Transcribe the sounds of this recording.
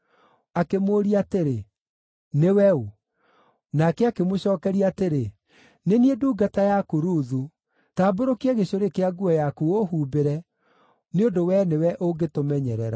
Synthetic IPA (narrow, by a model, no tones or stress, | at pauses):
akemoːɾiateɾe | newɛu | nakɛakemoɕɔːkɛɾiateɾe | nenieduːɡatajakuɾuːðu | taːboɾokiɛɣeɕoɾekeaɡuɔjakuohuːbeɾɛ | neondowɛnewɛʔoɡetomɛɲɛɾɛɾa̰